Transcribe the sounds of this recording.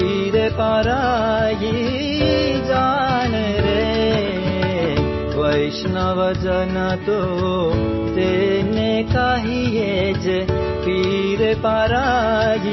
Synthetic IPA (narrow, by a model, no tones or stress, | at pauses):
i | ɾepaɾaji | d͡ʒan | ɾe | ʋəjʃnaʋəd͡ʒənat̪o | t̪enekaɦijed͡ʒe | piɾepaɾaji